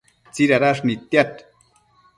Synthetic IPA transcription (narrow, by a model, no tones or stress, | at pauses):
t͡siɾaɾaʂ̬nit̪jat̪